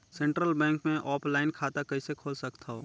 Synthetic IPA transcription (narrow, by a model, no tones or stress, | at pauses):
sẽɳʈɾəlbɛ̃ːŋkmẽʔɔːpʰlaːɪnkʰaːt̪akɐisekʰoːlsɐkt̪ʰaɦoː